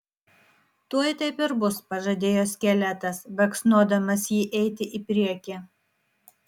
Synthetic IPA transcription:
t̪uɔjt̪ɐɪpɪɾbʊspɐʒɐd̪ʲeːjoːsʲkʲɛlʲɛt̪ɐsbɐksnuɔd̪ɐmɐsjiːʔɛɪt̪ʲɪʔɪpʲɾʲiɛkʲɪ

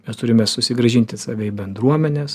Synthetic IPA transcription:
mʲɛst̪ʊɾʲɪmʲɛsʊsʲɪɡɾɐʒʲɪnʲt̪ʲɪsɑːʋʲɛɪbʲɛnd̪ɾuɔmʲɛnʲɛːs

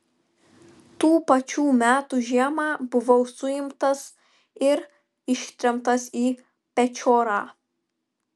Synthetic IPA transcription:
t̪uːpɐt͡ʃʲuːmʲæːt̪uʒʲiɛmɑːbʊʋɒʊsʊjɪmt̪ɐs | ɪɾ | ɪʃʲt̪ʲɾʲɛmt̪ɐsiː | pʲɛt͡ʃʲoːɾɑː

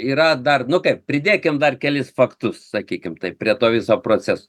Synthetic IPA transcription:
iːɾɐd̪ɐrnʊkɐɪppʲɾʲɪd̪ʲeːkʲɪmd̪ɐrkʲɛlʲɪsfɐkt̪ʊssɐkʲiːkʲɪmt̪ɐɪppʲɾʲiɛt̪oːʋʲɪsoːpɾoːt͡sʲɛsoː

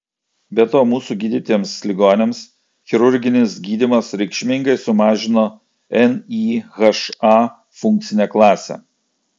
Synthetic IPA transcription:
bʲɛt̪oːmuːsuɡʲiːd̪ʲɪt̪ʲiɛmslʲɪɡoːnʲems | xʲɪɾʊɾʲɡʲɪnʲɪsɡʲiːd̪ʲimɐsɾʲɛɪkʃʲmʲɪŋɡɐɪsʊmɑːʒʲɪnoː | ɛniːɣɐʃɑː | fʊŋʲkt̪sʲɪnʲeːklˠɑːsʲɛ̰

